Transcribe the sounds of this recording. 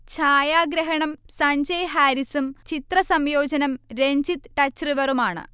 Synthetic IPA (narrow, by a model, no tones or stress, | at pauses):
t͡ɕʰaːjaːɡɾɐɦɐɳɐmsɐɲd͡ʑɐjɦaːɾisumt͡ɕit̪rɐsɐmjo̞ːd͡ʑɐnɐmɾeɲd͡ʑit̪ʈɐt͡ɕːriʋɐrumaːɳɨ̰